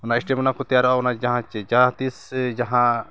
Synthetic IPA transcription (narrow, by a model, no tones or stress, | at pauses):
ɔnaʔisʈɛmɔnakɔt̪ajaɾɔʔaɔnad͡ʒaɦãt͡ʃɛd͡ʒat̪isd͡ʒaɦã